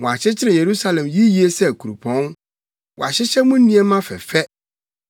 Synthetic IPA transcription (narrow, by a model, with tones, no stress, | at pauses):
wɔ̃˨a˨ɕɪ˦t͡ɕʰɪ˦ɾɪ̃˨je˨ɾu˦sa˦lɛ̃˨mji˦ji˦e˦sɛ˦˨kʰu˨ɾu˨pʰɔ̃˨˦n | wɔ̰˨a˨ɕɪ˦ɕɛ˦mʊ̃˦n˦nĩ˦ɛ˦mã˦fɛ̰˨fɛ˦